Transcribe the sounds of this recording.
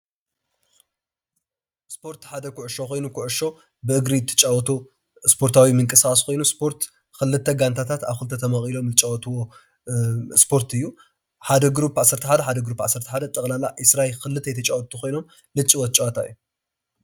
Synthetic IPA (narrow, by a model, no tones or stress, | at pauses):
spʰo̞ɾt̪ħad̪ɐkʰʊʕʊʃo̞xo̞jnukʰʊʕʊʃo̞ | bɨʔɨɡɾijt̪ʰːɐ̥t͡ʃʼawɔt̪o | spʰo̞ɾt̪ʰawimɨŋkʼɨskʼaskʰo̞jnuspʰo̞ɾt̪ | kɨlːɨt̪ʰːɐɡant̪ʰat̪ʰat̪aβxɨlt̪ʰɐt̪ʰɐmɐχʼilo̞mlɨt͡ʃʼawt̪wo | spʰo̞ɾt̪ɨjːu | ħad̪ɐɡɾupːʕasːɐɾt̪ʰɐħad̪ɐħad̪ɐɡɾupːʕasːɐɾt̪ʰɐħad̪ɐt̪ʼɨkʼlalaʔɨsɾaekɨlɨt̪ʰːɐjt̪ʰɐt͡ʃʼawɔt̪ʰːuxo̞jno̞m | lɨt͡ʃʼːiwɐt͡ʃʼwat̪ʰaɨjːu